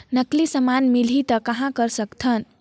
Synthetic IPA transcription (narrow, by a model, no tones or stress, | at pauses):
nʌklisəmanmilit̪ʌkʌɦãkʌɾsʌkt̪ʰʌn